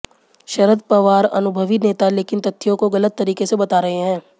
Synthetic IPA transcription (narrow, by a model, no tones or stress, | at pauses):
ʃɐɾəd̪pɐʋaːɾɐ̰nʊbʱəʋineːt̪aleːkɪnt̪ɐt̪ʰːijõkoɡɐlət̪ːɐɾiːkesebɐt̪aːɾɐɦeɦɛ̃ː